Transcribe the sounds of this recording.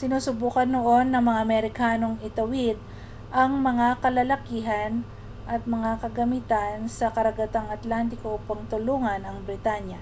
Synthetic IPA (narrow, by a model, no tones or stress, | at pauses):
sɪnuːsʊbuːkɐnːoʔo̞nːɐŋmɐŋamɛɾɪkaːno̞ŋɪt̪ɐwid̪̚ | ʔɐŋmɐŋakɐlɐlɐkiːɦɐn | ʔɐt̪̚mɐŋakɐɡɐmit̪ansɐkɐɾɐɡɐt̪aŋɐt̪lant̪ɪkoʔupɐŋt̪ʊluːŋɐnɐŋbɾɪt̪aɲjɐ